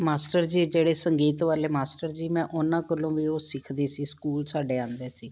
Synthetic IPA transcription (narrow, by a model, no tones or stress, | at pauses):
maːsʈəɾd͡ʒiːd͡ʒeːɽeːsəŋɡiːt̪ʋaːleːmaːsʈəɾd͡ʒiːmɛ̃ːʔʊnãːkəlõːʋiːoːsɪkʰd̪iːsiːskuːlsaːɖeːãːnd̪eːsiː